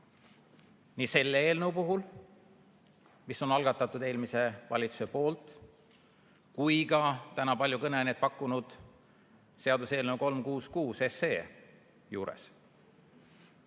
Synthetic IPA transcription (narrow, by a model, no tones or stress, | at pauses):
niːse̞lːee̞ːlnewpuɦul | miso̞nɑlɡ̥ɑt̪ːˑɑt̪ːˑud̪e̞ːlmise̞vɑ̰lʲit̪su̥se̞po̞ːlt̪ˑ | kujɡɑt̪ænɑpɑlʲjukɤneɑnʲed̪̚pɑkːˑunud̪̥ | se̞ɑd̪use̞ːlnəwko̞lmkuːskuːse̞seː | juːɾe̞̰s